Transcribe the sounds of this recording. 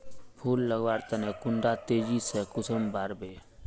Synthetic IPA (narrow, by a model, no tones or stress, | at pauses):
pʰuːlːəɡʋaːɾt̪ənekʊɳɖat̪eːd͡ʒisekʊsəmbaːɾbe